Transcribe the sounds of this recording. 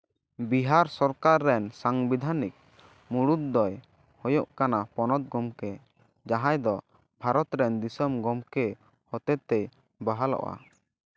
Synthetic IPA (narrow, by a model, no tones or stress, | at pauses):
biɦaɾsɔɾkaɾːɛnsaŋbid̪ʱanik̚ | muɽut̪̚d̪ɔj | hɔjoʔkanapɔnɔt̪̚ɡɔmkɛ | d͡ʒaɦãjd̪ɔ | bʱaɾɔt̪ɾɛnd̪isɔmɡɔmkɛ | hɔt̪ɛt̪ɛj | baɦalɔ̰ʔa̰